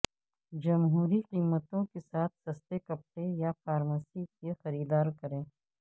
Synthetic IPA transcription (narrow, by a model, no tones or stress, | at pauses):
d͡ʒɐmɦuːɾiqiːmət̪õkesaːt̪̚ʰsɐst̪ekɐp̚ʈejafaːɾmaːsikexɐɾiːd̪aːɾkɐɾẽː